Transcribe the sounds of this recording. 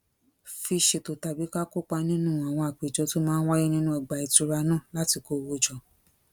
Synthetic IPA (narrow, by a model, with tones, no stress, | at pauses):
fi˧ʃe˨˧to˨ta˨bi˨˦ka˦ko˦k͡pa˧nĩ˦nũ˦˨a˨w̃ɔ̃˧a˨k͡pe˨d͡ʒɔ˨˧to˦mãː˦n̩˦wa˦ji˦nĩ˦nũ˦ɛ˨ɡ͡ba˨i˨˧tu˨˧ɾa˧nã˦˨la˦ti˧ko˧˦˧wo˦˨d͡ʒɔ˨